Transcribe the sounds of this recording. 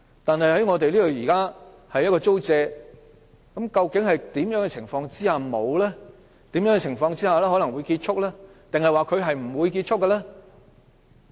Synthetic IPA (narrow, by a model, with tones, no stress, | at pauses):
t̪aː˨nhɐ˨jhɐ˨˥jŋɔː˧t̪e˨jliː˥o˨˩jiː˨˩kaː˥ | hɐ˨jːɐ˥kɔː˧t͡so˥wt͡sɛː˧ | kɐ˨˥mkɐ˧wkɪ˨˥ŋhɐ˨jt̪iː˨˥mjœː˨˥ŋkɛ˧t͡sʰɪ˨˩ŋfɔː˧ŋt͡siː˥haː˨mo˨˧wlɛː˥ | t̪iː˨˥mjœː˨˥ŋɛ˧t͡sʰɪ˨˩ŋfɔː˧ŋt͡siː˥haː˨lɛː˥ɦɔ˨˥lɐ˨˩ŋwuː˨˧jkiː˧t̚t͡ʃʰʊ˥k̚lɛː˥t̪ɪ˨ŋhɐ˨jwaː˨kʰɵ˨˧ɥɦɐ˨jm̩˨˩wuː˨˧jkiː˧t̚t͡ʃʰʊ˥kːɐ˧lɛː˥